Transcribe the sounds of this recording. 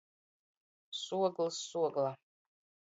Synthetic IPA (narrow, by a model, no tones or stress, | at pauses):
suɔɡlˠsːuɔɡlˠa